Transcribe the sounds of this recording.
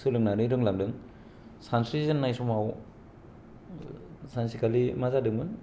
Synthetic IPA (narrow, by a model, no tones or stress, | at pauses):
sɯlɯŋnaɾɯɾɯŋlamdɯŋ | sansɾizɯnːajsɔmaw | sansikʰalimazadɯŋbɯn